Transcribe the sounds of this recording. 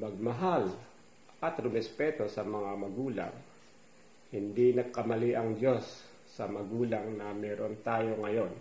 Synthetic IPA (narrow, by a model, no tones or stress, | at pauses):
mɐɡ̚mɐɦal | ʔɐt̪ɾʊmɛspɛːt̪o̞sɐmɐŋamɐɡuːla̰ŋ | hɪnd̪inɐɡ̚kɐmɐliʔɐŋd̪o̞sː | ɐmɐɡuːlɐŋnɐmɛːɾo̞nt̪aːjo̞ŋɐjo̞n